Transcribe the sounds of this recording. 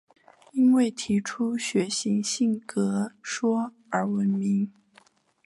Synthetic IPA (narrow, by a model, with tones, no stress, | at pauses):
i˥nwe˥˩ɪt̪ʰi˧˥ʈ͡ʂʰu˥ɕɥɛ˧˥ɕi˥˧˥ŋɕi˥˩ŋkɤ˧˥ʂwɔ˥ | ə˞˧˥wə˧˥nmi˧˥ŋ